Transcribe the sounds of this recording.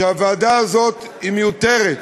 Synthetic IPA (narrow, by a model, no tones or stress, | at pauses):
avaːd̪aːzo̞t̪ | imejot̪eʁet̪